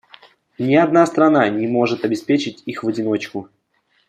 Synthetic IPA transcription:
nʲɪɐd̪̚nast̪ɾɐnanʲɪmo̞ʐɨt̪ɐbʲɪspʲet͡ɕɪtʲixvədʲɪno̞t͡ɕkʊ

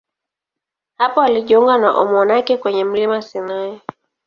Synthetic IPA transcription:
hapɔaliʄiuŋɡanaʔɔ̰mɔnakɛkwɛɲɛm̩limasinaɛ

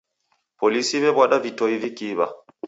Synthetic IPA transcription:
polisiβɛbwaɗavitoivikiːba̰

